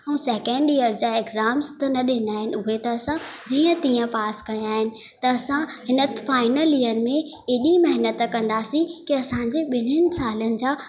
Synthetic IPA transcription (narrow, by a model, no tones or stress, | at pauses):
ɛ̃ũsɛːkɛ̃ɳɖijəɾd͡ʑaːekzaːmst̪ɐnɐɗɪnd̪aːɦɪnɪ̆ʊɦet̪ɐːsãd͡ʑiːə̃t̪iːə̃paːskɐjaːɦɪnɪ̆ | t̪ɐːsãhɪnət̪faːɪnəlijənɪ̆mẽ | eːɗimɐɦnət̪kɐ̃nd̪aːsĩkiɐsãɲ̆d͡ʑeɓɪn̤ənɪ̆saːlənɪ̆d͡ʑaː